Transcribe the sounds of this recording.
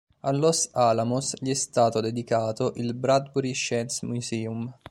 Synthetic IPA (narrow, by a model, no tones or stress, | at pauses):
alːɔsalamusʎiɛst̪aːt̪od̪ed̪ikaːt̪oʔilbɾad̪̚buɾiʃɛnsmusiːum